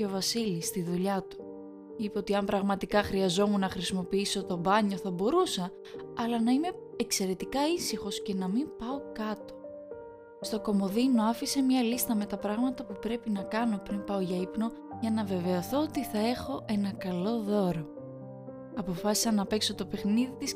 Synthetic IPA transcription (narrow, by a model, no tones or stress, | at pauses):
ovɐsilist̪iðuʎɐt̪u̥ | ipeo̞t̪iɐmpɾɐɣmɐt̪ikɐxɾiɐzo̞munɐxɾisimo̞piiso̞t̪o̞bɐɲo̞θɐbo̞ɾusɐː | lɐnɐime̞ | ekse̞ɾe̞t̪ikɐisixo̞sce̞nɐmimpɐo̞kɐt̪o̞̥ | st̪o̞ko̞mo̞ðino̞ɐfise̞mɲɐlist̪ɐme̞t̪ɐpɾɐɣmɐt̪ɐpupɾe̞pinɐkɐno̞pɾimpɐoʝɐipno̞ | ʝɐnɐve̞ve̞oθo̞ot̪iθɐe̞xo̞ʔe̞nɐkɐlo̞ðo̞ɾo̞ | ɐpo̞fɐsi̥sɐnɐpe̞kso̞t̪o̞pe̞xniðit̪is